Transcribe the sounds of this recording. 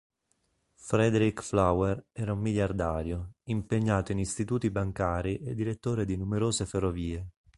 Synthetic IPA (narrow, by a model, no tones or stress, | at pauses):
fɾɛd̪eɾikflawerɛːɾaumːiʎjard̪aːɾjoimpeɲːaːt̪oinist̪it̪uːt̪ibaŋkaːɾiʔed̪ːiɾet̪ːoːɾed̪inumeɾoːzeferːoviːe